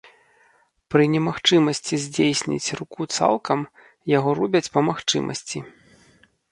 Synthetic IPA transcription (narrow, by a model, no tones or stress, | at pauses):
pɾɨnʲɛmaxt͡ʂɨmɐsʲt͡sʲizʲd͡zʲejsʲnʲḭt͡sʲrukut̪sa̰lˠkɐm | jaɣɔrubʲɐt͡sʲpɐmaxt͡ʂɨ̰mʔɐ̰sʲt͡sʲi